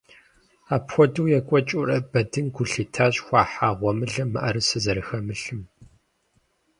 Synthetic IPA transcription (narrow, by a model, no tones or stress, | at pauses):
aːpxʷɔduwjɛkʷʼɔt͡ʃʼʊrɐbɐdɨnɡʷʊɬiːtʰaːɕʼxʷaːħaːʁʷɔmɨɮɐmɨ̰ʔɐɾɨsɨzɐɾɨxɐmɨɬɨm